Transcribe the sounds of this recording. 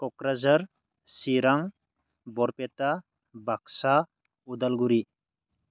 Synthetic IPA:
kɔkɾazaɾ | siɾaŋ | bɔɾpeta | bak̚sa | ud̪alɡuɾi

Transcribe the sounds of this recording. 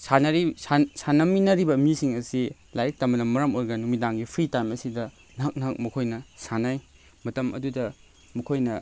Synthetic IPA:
sanɐɾisasanɐminɐɾibɐmisiŋɐsi | lajik̚tɐmɐnɐmɐɾɐmoɾɡɐnumidaŋɡipʰɾitajmɐsidɐ | nɐɦɐk̚nɐɦɐk̚mɐkʰojnɐsanaj | mɐtɐmʔɐ̰dudɐ | mɐkʰojnɐ

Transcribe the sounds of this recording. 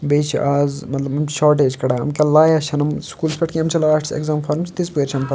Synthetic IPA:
beːt͡ʃʰiʔaːzmɐt̪lɐbɐmʃaːɾʈeːd͡ʒkɐɽaːɐ̰mkʲɐlaːjɐʃʰɐnɐmskuːlspʲɐʈkʲiɐmt͡ʃʰɐlaːʈʰsḛkzaːmfʰɐɾmst̪ispeɾt͡ʃʰɐmpʰɐ

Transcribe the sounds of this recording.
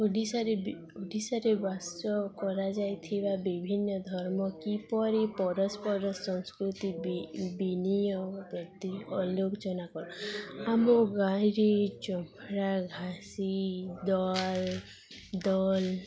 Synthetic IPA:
oɖisaɾeb | oɖisaɾebasɔkɔɾad͡ʒajt̪ʰibabibʱinːɔd̪ʱɔɾmɔkipɔɾipɔɾɔspɔɾɔsːɔŋskɾut̪iibinijɔpɾɔt̪iɔlokd͡ʒɔnakɔɾɔamɔɡajɾet͡ʃɔmɾaɡʱasid̪ɔl | d̪ɔl

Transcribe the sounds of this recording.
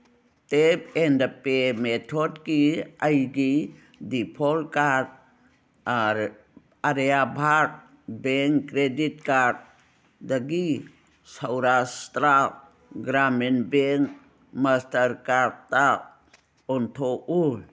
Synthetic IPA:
t̪ebendəpemet̪ʰodkiajɡi | dipʰolkat̪ | aɾ | aɾjabʱaɾ̚ | beŋkːɾedit̪ka | d̪əɡi | səwɾast̪ɾa | ɡɾamenbeŋk | məst̪əɾkaɾt̪a | ont̪ʰoʔul

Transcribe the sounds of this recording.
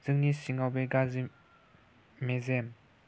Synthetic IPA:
z̥ɯŋnisiŋabeɡazi | mezem

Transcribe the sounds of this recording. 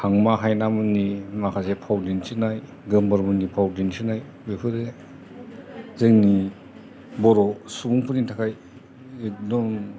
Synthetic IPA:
hʰaŋmaɦajnamɯnimakʰazepʰawdinsɯnaj | ɡɯmbɯɾmɯnipʰawdinsɯnaj | bepʰɯɾe | zɯŋni | bɔɾɔsuɡuŋpʰɯnitʰakaj | edɔm

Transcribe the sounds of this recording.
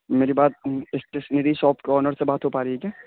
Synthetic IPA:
meːɾibaːt̪̚ɪsʈesneɾiʃɔːpkeɔːnəɾsebaːt̪ɦopaːɾɛiɛkɛː

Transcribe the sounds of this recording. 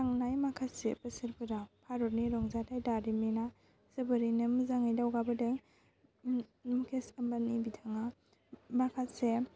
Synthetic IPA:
taŋnajmakʰasḛpɐsiɾpɯdapʰaɾɔɾniɾɔŋzatʰajdaɾimena | z̥ɐbɐɾinɯmuzaŋajdawɡabɯdaj | mukʰesɐmbanibitʰaŋa | makʰatse

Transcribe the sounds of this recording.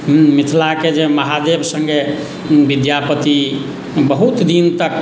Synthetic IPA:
mmit̪ʰlaked͡ʒeməɦad̪ebsəŋɡe | bid̪japət̪i | bəɦut̪d̪int̪ək

